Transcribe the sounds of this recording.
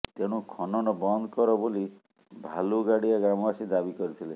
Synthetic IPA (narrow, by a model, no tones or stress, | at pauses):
t̪eɽ̃ũkʰɔnɔnɔbɔnd̪kɔɾɔboli | bʱaluɡaɽiaɡɾamɔasid̪abikɔɾit̪ʰile